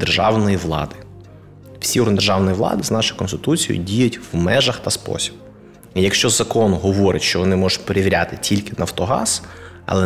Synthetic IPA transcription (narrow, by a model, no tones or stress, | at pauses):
d̪erʒɑ̰wnɔjiʋlˠɑ̰d̪ɪ | w̥sʲiʊɾnd̪erʒɑwnɔjiʋlˠɑ̰d̪ɪznɑʃʊjkɔnst̪ɪt̪ut͡sʲijʊ̰dʲijʊtʲwmɛʒɐxt̪ɐspɔ̰sʲi̥b̥ | ijɐkʃt͡ʃɔzɐkɔnɦɔʋɔɾɪ̰tʲʃt͡ʃɔʋɔnɪmɔʒʊt̚ʲpeɾeʋʲiɾʲa̰t̪ɪtʲʰilʲkɪnɐwt̪ɔɦɑ̰z̥ | ɐ̰lˠɛ